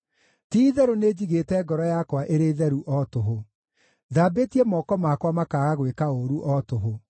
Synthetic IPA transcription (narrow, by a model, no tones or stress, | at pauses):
tiːðɛɾoneːd͡ʑiɣeːtɛːɡɔɾɔjakwaʔeɾeːðɛɾuʔɔtoɦo | ðaːbetiɛmɔːkɔmaːkwamakaːɣaɣwekaoɾuʔɔtoɦo